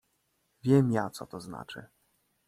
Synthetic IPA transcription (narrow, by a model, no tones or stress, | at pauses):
vʲjɛmjat̪sɔ̰t̪ɔzna̰t͡ʂɘ̰